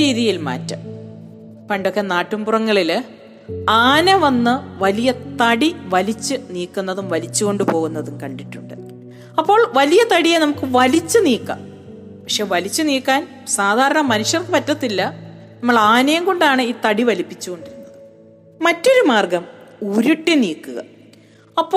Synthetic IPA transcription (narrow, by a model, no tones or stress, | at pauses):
iːðijilma̰ːtːɐm | pɐɳɖo̞kːenaːʈːumburɐŋːɐɭil | aːnɐʋɐnːɨʋɐlijɐt̪ɐɽiʋɐlit͡ɕːɨniːkːunːɐðumʋɐlit͡ɕːuɣo̞ɳɖɨpo̞ːɣunːɐðumkɐɳɖiʈːuɳɖɨ | ɐpːo̞ːɭʋɐlijɐt̪ɐɽijenɐmukːɨʋɐlit͡ɕːɨniːkːɐ̰m | pɐkʂe̞ːʋɐlit͡ɕːɨniːkːaːn | saːd̪ʱaːɾɐɳɐmɐnuʂjɐrkɨpɐtːɐt̪ːilːɐ | nɐmːɐɭaːnɐjɐmko̞ɳɖaːɳɨiːt̪ɐɽiʋɐlipːit͡ɕːuɣo̞ɳɖiɾunːɐðɨ | mɐtːo̞ɾumaːrɡɐmuːɾuʈːiniːkːuɣɐ̰ | ɐpːoː